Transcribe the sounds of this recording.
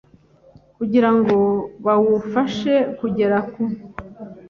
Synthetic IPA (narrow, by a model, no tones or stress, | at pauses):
kuɟiɾaŋɡo̞βawufaʃe̞kuɟe̞ɾaku